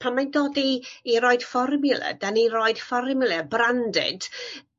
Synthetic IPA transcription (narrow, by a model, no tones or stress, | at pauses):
pʰanmajndoːdiːɾɔɨd̥fɔrmɪlˠə̰d̥anirɔɨd̥fɔrmɪlˠɛbrandɪ̰d̥